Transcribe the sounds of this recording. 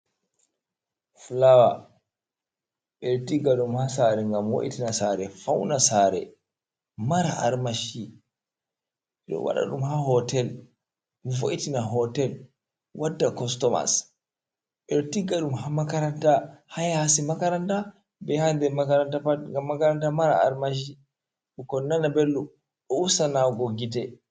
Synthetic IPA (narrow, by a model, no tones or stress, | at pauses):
flawa | ɓɛɾtiɡaɗumhasaɾɛŋɡamwo̰ʔḭtinasaɾɛfawnasaɾɛ̰ | maɾaa̰ɾmaʃi | ɗɔ̰wa̰ɗa̰ɗumhahɔtɛl | vo̰ʔitinaɦɔtɛl | wadːakɔstɔma̰s | ʔɛɗɔtiɡːaɗumɦamakaɾantahajahasimakaɾanta | bɛhandɛmakaɾantaaŋɡamːakaɾantamaɾa̰a̰ɾmaʃ̬i | ɗukɔnːanabelːu | ɗɔusanaɡɔɡidɛ